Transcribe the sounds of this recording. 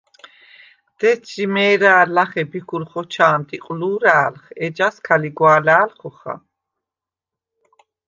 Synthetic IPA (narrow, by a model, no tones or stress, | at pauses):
d̪̥ɛt͡ʃimɛːɾaːɾlaχɛbikʰulχɔt͡ʃʰaːmd̪iqʼluːɾaːlχɛd͡ʒaskʰaliɡwaːlaːlχɔχa̰